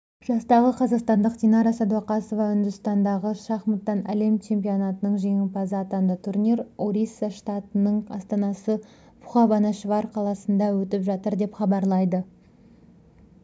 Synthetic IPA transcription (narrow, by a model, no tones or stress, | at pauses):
ʒ̥ɑst̪ɑʁəqʰɑzɑqst̪ɑnd̪əqt̪inɑɾɑsɑd̪uɑqɑsovɑʏnd̪ʏst̪ɑnd̪ɑʁəʃɑχmət̪ːɑnæle̞mt͡ʃʰe̞mpio̞nɑt̪ənəɴʒe̞ŋɪpɑzːt̪ɑnd̪ət̪ʰuɾnʲiɾoɾisːaʃt̪ɑt̪ənəɴɑ̰st̪ɑnɑsə | bʊχɑbɑnɑʃvɑɾqʰɑlˠɑsənd̪ɑwɵt̪ɪpʒɑt̪əɾd̪e̞pχɑbɑɾlˠɑjd̪ə